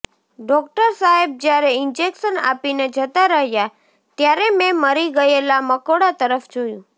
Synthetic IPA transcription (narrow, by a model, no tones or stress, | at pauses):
ɖɔkʈəɾsaɦeb̚d͡ʒjaɾeɪnd͡ʒekʃəna̰pined͡ʒət̪aɾəɦja | t̪jaɾemẽməɾiɡəelaməkoɽat̪əɾəfd͡ʒojũ